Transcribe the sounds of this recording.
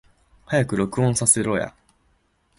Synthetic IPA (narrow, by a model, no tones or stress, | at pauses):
hajakɯ̟ɾo̞kɯ̟õɰ̃sase̞ɾo̞ja̰